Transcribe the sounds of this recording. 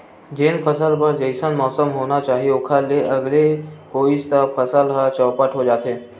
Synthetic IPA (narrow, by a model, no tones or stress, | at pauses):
d͡ʒeːnpʰəsəlpɐɾd͡ʒɐɪsənmɔːsəmɦoːnat͡ʃaːɦieʊkʰaleʔɐɡlehoːɪst̪apʰɐsəlɦət͡ʃɔːpəʈʰɦod͡ʒaːt̪ɦeː